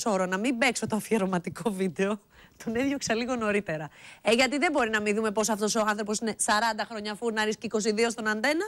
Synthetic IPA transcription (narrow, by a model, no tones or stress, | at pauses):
so̞ɾonɐmimbe̞kso̞t̪oɐfieɾomɐt̪iko̞vid̪e̞o | t̪oneðʝoksɐliɣo̞no̞ɾit̪e̞ɾɐeʝɐt̪iðebo̞ɾinɐmiðume̞po̞soɐft̪oso̞ɐnθɾo̞p̬o̞sine̞sɐɾɐnd̪ɐxɾo̞ɲɐfuɾnɐɾisceiko̞s̬iðio̞st̪o̞nɐnd̪e̞nɐ